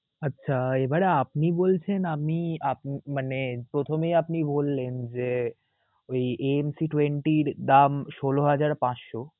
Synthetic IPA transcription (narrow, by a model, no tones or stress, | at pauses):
ətːɕʰaebaɾeap̚nibolt͡ɕʰenapniap̚nimanepɾot̪ʰomejapnibolːend͡ʑe | ojeemsiʈweɳʈiɾd̪amʃoloɦad͡ʑaɾpãʃʃo